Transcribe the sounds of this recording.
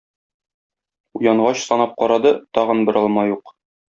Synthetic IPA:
ujɑɴʁɑɕsɒnɑp̚qɒɾɑd̪ɤt̪ɒʁɤ̆nbɘ̆ɾʔɒlˠmɑjuq

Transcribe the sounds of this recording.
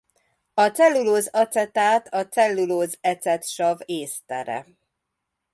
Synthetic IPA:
ɒt̪sɛlːuloːzɒt̪sɛt̪aːt̪ɒt̪sɛlːuloːzɛt̪sɛt̪ʃɒveːst̪ɛ̰ɾɛ̰

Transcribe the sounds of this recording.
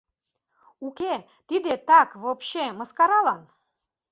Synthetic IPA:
ukʲe | t̪id̪et̪ɑkβopɕeməskɑɾɑlɑn

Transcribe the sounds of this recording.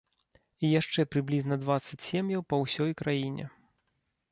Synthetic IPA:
ijaʂt͡ʂɛpɾɨblʲiznɐd̪vat̪sɐt͡sʲsʲemjɐwpɐwsʲɔjkɾajinʲɛ̰

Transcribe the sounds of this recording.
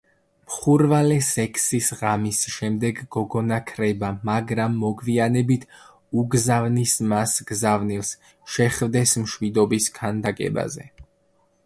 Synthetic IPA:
mχuɾvalɛsɛkʰsisʁamisʃɛmd̪ɛɡɡɔɡɔnakʰɾɛbamaɡɾamːɔɡvianɛbit̪ʰ | uɡzavnismasɡ̥zavnilˠs | ʃɛχvd̪ɛsmʃwid̪ɔbiskʰand̪akʼɛ̰ba̰zɛ̰

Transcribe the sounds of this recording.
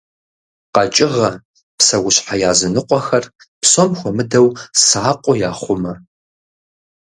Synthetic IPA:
qɐt͡ʃʼɪʁɐ | psɐwʊɕħajaːzɨnɨqʷʼɔxɐr | psomxʷɔmɨdɐwsʕaːqʷʼɔjaːχʷʊmɐ

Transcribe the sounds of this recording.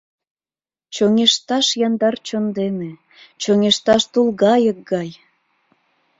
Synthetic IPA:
t͡ɕoŋeʃt̪ɑʃjɑnd̪ɑrt͡ɕond̪eme | t͡ɕoŋeʃt̪ɑʃt̪ulɣɑjək̚ɡɑj

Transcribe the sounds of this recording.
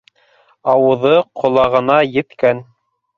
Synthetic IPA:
ɑwɤ̆ðɤqʰŏlˠɑʁɤ̆nɑjɘ̆t̪kæn

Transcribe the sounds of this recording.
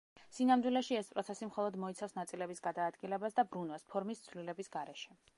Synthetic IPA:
sinamd̪wilɛʃiɛspʼɾɔt̪sʰɛsimχɔlˠɔd̪mɔit̪sʰafsnat̪sʼilɛbisɡad̪aːd̪ɡilɛbasd̪abɾunwaspʰɔɾmist̪sʰvlilɛbisɡaɾɛʃɛ

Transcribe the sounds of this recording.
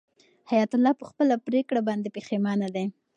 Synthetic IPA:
hajat̪ʊlɑpəxpəlapɾekɽabɑnd̪epexemɑnad̪e

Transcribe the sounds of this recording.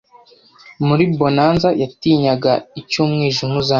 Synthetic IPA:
muɾibo̞naːnzajatiːɲaɡaicumŋiːʒumuza

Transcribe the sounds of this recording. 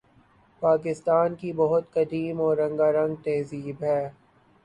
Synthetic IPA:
paːk̬ɪst̪aːnkibɐɦʊt̪kɐd̪iːmɔːɾːɐ̃ŋɡaːɾɐ̃ŋɡ̚t̪ɛːziːbɦɛː

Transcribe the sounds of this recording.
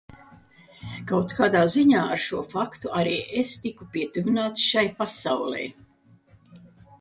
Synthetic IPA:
kawt̪kaːd̪aːziɲaːaɾʃuɔfakt̪uʔaɾiːʔest̪ikupʲiɛt̪uvinaːt̪sʃajpasawlɛ̰j

